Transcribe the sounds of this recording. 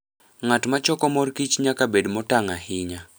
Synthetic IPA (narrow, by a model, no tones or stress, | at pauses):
ŋatmat͡ʃɔkɔmɔrkit͡ʃɲakabedmɔtaŋahɪɲa